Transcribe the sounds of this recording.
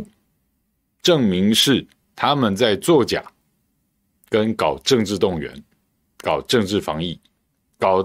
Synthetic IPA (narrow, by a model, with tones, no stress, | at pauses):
ʈ͡ʂɤ˥˩ŋmi˧˥ŋʂɻ̩˥˩ | t̪ʰa˥mə˨nt͡sa˥˧ɪt͡swɔ˥˩t͡ɕja̰˨˩˦ | kə˦˥nkɑ˨˩ʊʈ͡ʂɤ˥˧ŋʈ͡ʂɻ̩˥˧t̪ʊ˥˩ŋɥɛ̰˧˥n | kɑ˨˩ʊʈ͡ʂɤ˥˧ŋʈ͡ʂɻ̩˥˩fɑ˧˥ŋi˥˩ | kɑ˨˩ʊ